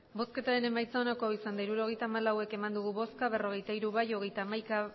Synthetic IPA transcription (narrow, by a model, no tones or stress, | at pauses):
bo̞ske̞t̪aɾe̞ne̞majt͡saonako̞isand̪aiɾuɾo̞ɣe̞jt̪aːmalawe̞ke̞mand̪uɣuβo̞skaβe̞ro̞ɣ̞e̞jt̪aiɾuβajo̞ɣ̞e̞jt̪aːmajka